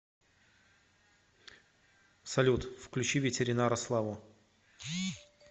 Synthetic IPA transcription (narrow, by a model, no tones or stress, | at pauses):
sɐlʲut̪fklʲʉt͡ɕivʲɪtʲɪɾʲɪnaɾəslˠavʊ